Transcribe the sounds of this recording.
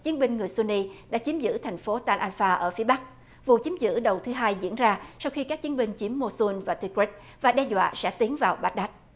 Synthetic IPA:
t͡ɕi˨˦ənɓï˧ŋ̟ŋɨ˨˩əjsu˧ni˧ɗa̰ː˧˥t͡ɕi˨˦əmzɨ̰˧˥t̪ʰɛ˨˩ŋ̟fo˨˦t̪aː˧nʔaː˧nfaː˧ʔəː˧˩fi˨˦əɓa˦˥k̚ | vṵ˧˨t͡ɕi˨˦əmzɨ̰˧˥ɗə˨˩wt̪ʰɨ˨˦ɦaː˧jzḭ˧˥ənzaː˧sa˧wxi˧kaː˦˥k̚t͡ɕi˨˦nɓï˧ŋ̟t͡ɕi˨˦əmːo˧su˧nvaː˨˩t̪i˧kwi˦˥t̚ | vaː˨˩ɗɛ˧zwa̰ː˧˨sɛ̰˧˥t̪i˨˦ənvaː˨˩wɓa˦˥t̚ɗa˦˥t̚

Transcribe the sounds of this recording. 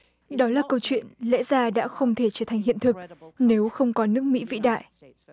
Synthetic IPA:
ɗɔ˨˦laː˨˩kə˧wt͡ɕwḭ˧˨ənlɛ̰˧˥zaː˧ɗa̰ː˧˥xə˧wŋ͡mt̪ʰe˧˩t͡ɕəː˧˩t̪ʰa˨˩jŋ̟hḭ˧˨ənt̪ʰɨ˨˩k̚ne˨˦wxə˧wŋ͡mkɔ˨˦nɨ˦˥ək̚mḭ˧˥vḭ˧˥ɗa̰ː˧˨j

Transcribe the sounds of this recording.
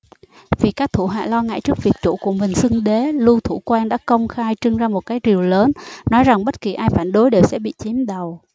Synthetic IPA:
vi˨˩kaː˦˥k̚t̪ʰu˧˩ɦa̰ː˧˨lɔ˧ŋa̰ː˧˨jt͡ɕɨ˦˥ək̚vi˨˩ək̚t͡ɕu˧˩ku˧˩əmï˨˩ŋ̟sɨ˧ŋɗe˨˦lu˧t̪ʰu˧˩kwaː˧nɗa̰ː˧˥kə˧wŋ͡mxaː˧jt͡ɕɨ˧ŋzaː˧mo˨˩t̚kaː˨˦jzi˨˩əwləː˨˦nːɔ˨˦jza˨˩ŋɓə˦˥t̚ki˨˩ʔaː˧jfaː˧˩nɗo˨˦jɗe˨˩wsɛ̰˧˥ɓḭ˧˨t͡ɕi˨˦mɗə˨˩w

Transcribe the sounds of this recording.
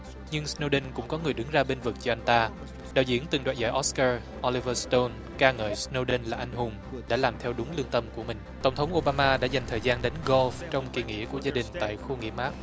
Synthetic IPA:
ɲɨ˧ŋsno˧wɗə˧nkʊ̰˧˥ŋ͡mkɔ˨˦ŋɨ˨˩əjɗɨ˨˦ŋzaː˧ɓe˧nvɨ˨˩k̚t͡ɕɔ˧ʔa˧jŋ̟t̪aː˧ | ɗa̰ː˧˨wzḭ˧˥ənt̪ɨ˨˩ŋɗwaː˧˨jza̰ː˧˩ʔɔ˦˥skaː˧ | ʔo˧li˧vəː˧st̪o˧n | kaː˧ŋə̰ː˧˨˩jsno˧ɗə˧nlaː˨˩ʔa˧jŋ̟ɦʊ˨˩ŋ͡mɗa̰ː˧˥laː˨˩mt̪ʰɛ˧wɗʊ˨˦ŋ͡mlɨ˧əŋt̪ə˧mku˧˩əmï˨˩ŋ̟t̪ə˧˩wŋ͡mt̪ʰə˨˦wŋ͡mʔo˧ɓaː˧maː˧ɗa̰ː˧˥za˨˩ŋ̟t̪ʰəː˨˩jzaː˧nɗe˨˦nɣo˧lft͡ɕɔ˧wŋ͡mki˧˨˩ŋḭ˧˥ku˧˩əzaː˧ɗï˨˩ŋ̟t̪a̰ː˧˨jxu˧ŋḭ˧˥maː˦˥k̚

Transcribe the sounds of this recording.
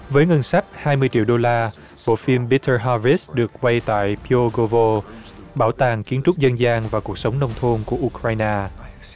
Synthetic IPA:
vəː˨˦jŋə˧nsa˦˥jk̚haː˧jmɨ˧əjt͡ɕḭ˧˨əwɗo˧laː˧ | ɓo̰˧˨fi˧mɓi˨˦˥tʰəː˧ɦa˧vi˦˥sɗɨ˨˩ək̚kwa˧jt̪a̰ː˧˨jpʰi˧o˧ɣo˧vo˧ | ɓaː˧˩wt̪aː˨˩ŋki˨˦ənt͡ɕʊ˦˥k͡p̚zə˧nzaː˧ŋvaː˨˩ku˨˩ək̚sə˨˦wŋ͡mnə˧wŋ͡mt̪ʰo˧nku˧˩əʔu˧kɾaː˧jnaː˧

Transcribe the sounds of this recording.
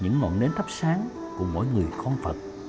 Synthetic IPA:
ɲɨ̰˧˥ŋːɔ̰˧˨nɗe˨˦nt̪ʰə˦˥p̚saː˨˦ŋ | ku˧˩˥mo̰˧˥jŋɨ˨˩əjxɔ˧nfə˨˩t̚

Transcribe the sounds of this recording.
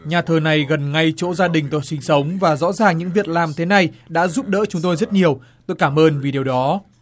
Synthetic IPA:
ɲaː˨˩t̪ʰəː˨˩na˨˩jɣə˨˩nŋa˧jt͡ɕo̰˧˥zaː˧ɗï˨˩ŋ̟t̪o˨˩sï˨˦ŋ̟sə˨˦wŋ͡mvaː˨˩zɔ̰˧˥zaː˨˩ŋɲɨ̰˧˥ŋvi˨˩ət̚laː˨˩mt̪ʰe˨˦na˨˩jɗa̰ː˧˥zuː˦˥p̚ɗə̰ː˧˥t͡ɕʊ˨˦ŋ͡mt̪o˧jzə˦˥t̚ɲi˨˩əw | t̪o˧jkaː˧˩mʔəː˧nvi˨˩ɗi˨˩əwɗɔ˨˦

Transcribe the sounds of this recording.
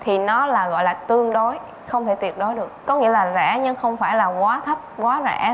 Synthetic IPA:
t̪ʰi˨˩nɔ˨˦laː˨˩ɣɔ̰˧˨jlaː˨˩t̪ɨ˧əŋɗo˨˦j | xə˧wŋ͡mt̪ʰe˧˩t̪wi˨˩ət̚ɗo˨˦jɗɨ˨˩ək̚ːɔ˨˦ŋḭ˧˥əlaː˨˩za̰ː˧˩ɲɨ˧ŋxə˧wŋ͡mfaː˧˩jlaː˨˩ɣwaː˨˦t̪ʰə˦˥p̚kwaː˨˦za̰ː˧˩

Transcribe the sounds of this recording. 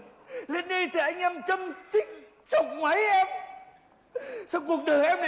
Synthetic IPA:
le˧nɗə˧jt̪ʰi˨˩ʔa˧jŋ̟ʔɛ˧mt͡ɕə˧mt͡ɕï˦˥ŋ̚ | t͡ɕə˨˩wŋ͡m̚ma˨˦jʔɛ˧m | sa˧wŋ͡mku˨˩ək̚ɗəː˨˩jʔɛ˧m˨

